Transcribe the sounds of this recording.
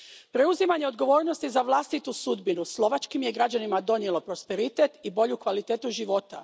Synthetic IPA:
pɾe̞uzimaɲe̞o̞d̪ɡo̞ʋo̞ːɾnost̪izaʋlˠast̪it̪usud̪binuslˠo̞ʋat͡ʃkimje̞ɡɾad͡ʑanimad̪o̞njelˠo̞pɾo̞speɾit̪e̞t̪ibo̞ʎukʋalit̪eːt̪uʒiʋo̞t̪a̰

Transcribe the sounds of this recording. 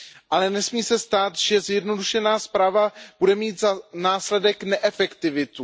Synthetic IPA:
ʔalɛnɛsmiːsɛst̪aːt̪ʒ̥ɛzjɛdnoduʃɛnaːspɾaːvab̥udɛmiːt̪zanaːslɛdɛknɛʔɛfɛkt̪ɪvɪt̪u

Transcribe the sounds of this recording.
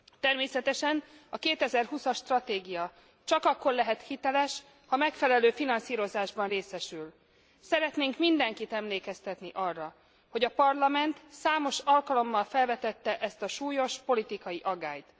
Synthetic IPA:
t̪ɛrmeːsɛt̪ɛʃɛn | ɒkeːt̪ɛzɛrhusɒʃt̪rɒt̪eːɡijɒ | t͡ʃɒkɒkːo̞rlɛɦɛt̪hit̪ɛlɛʃ | hɒmɛkfɛlɛløːfinɒnsiːɾo̞zaːʒbɒnreːsɛʃyl | sɛɾɛt̪neːŋkmind̪ɛŋkit̪ɛmleːkɛst̪ɛt̪niʔɒrːɒ | ho̞ɟɒpɒrlɒmɛnt̪saːmo̞ʃɒlkɒlo̞mːɒlfɛlvɛt̪ɛt̪ːɛʔɛst̪ɒʃuːjo̞ʃpo̞lit̪ikɒjiʔɒɡːa̰ːjt̪

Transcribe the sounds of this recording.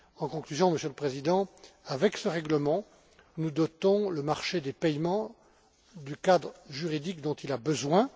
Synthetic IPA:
ɑ̃kɔ̃klyzjɔ̃məsjøləpχezid̪ɑ̃avɛksəʁɛɡləmɑ̃ | nud̪ɔt̪ɔ̃ləmaʁʃed̪epɛjmɑ̃ | d̪ykad̪ʁəʒyʁid̪ikd̪ɔ̃t̪ilabəzwɛ̃

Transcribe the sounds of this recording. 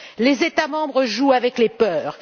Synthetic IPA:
lezet̪amɑ̃bʁəʒuavɛklepœːʁ

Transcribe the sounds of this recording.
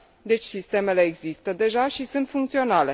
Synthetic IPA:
d̪e̞t͡ʃʲsist̪e̞me̞le̞ːɡzist̪əd̪e̞ʒaʃisunt̪fuŋkt̪sio̞nale̞

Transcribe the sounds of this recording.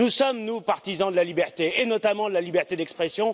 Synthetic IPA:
usɔmnupaʁt̪izɑ̃d̪əlalibɛʁt̪eːnɔt̪amɑ̃d̪əlalibɛʁt̪ed̪ɛkspχɛsjɔ̃

